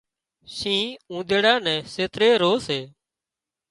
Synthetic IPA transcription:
sĩːũːd̪eːɽãːnɛ̃ːseːt̪ɾeːɾoːseː

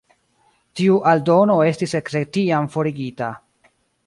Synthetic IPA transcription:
tiuʔaldo̞no̞e̞stise̞kɾek̚tiamfo̞ɾiɡita

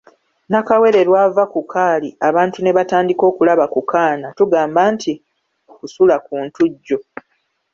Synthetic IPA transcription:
nakawe̞ɾe̞ɾwaːvakukʰaːliaβaːntune̞βataːndiko̞ːkulaβakukaːnatuɡaːmbaːntʰi | okusulak̚uːntuɟːo̞

